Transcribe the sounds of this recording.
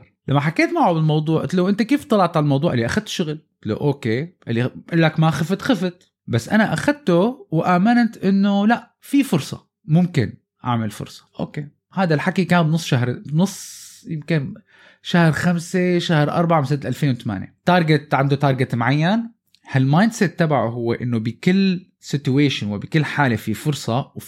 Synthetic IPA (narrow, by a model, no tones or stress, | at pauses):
lamːaħakeːt̪maʕubɪlmɑwd̪ˤuːʕʔɪt̪luwʔɪnt̪akeːft̪ˤːɑlɑʕt̪ʕalalmɑwd̪ˤuːʕʔɪlːiʔaxad̪̚t̪ʃʊɣlɪt̪lo̰ʔoːkeːʔɪlːiʔɪlːakmaxɪfɪt̪xɪfɪt̪ | basːʔanaʔaxad̪̚t̪ʊwʔaːmɪnt̪ʔɪnːolaʔ | fifʊɾsˤɑ̰ | mʊmkɪ̰n | ʔa̰ʕmalfʊ̰ɾsˤɑ̥ʔo̰ːkeː | haːd̪alħakikaːnbnʊsˤːʃaɦɾbnʊsˤːjɪmkɪn | ʃahɾxamseʃahɾʔɑ̰ɾˤbaʕamsad̪lʔalfeːnwɪt̪ama̰ːnjḛt̪ɑːɾˤɡɪt̪ʕand̪ut̪ɑːɾˤɡɪt̪mʕajːan | halmaːjnd̪sɛt̪ːabaʕuɦʊwːeʔɪnːʊbɪkɪlː | sɪt̪uweːʃɪnwɪbɪkɪlːħaːlefifʊɾsˤɑw